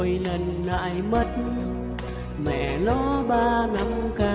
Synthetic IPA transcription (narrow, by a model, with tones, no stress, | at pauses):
jlə˧˩nːa̰ː˧˨jmə˦˥t̚n | mɛ̰˧˨nɔ˨˦ɓaː˧na˧˦ŋka˧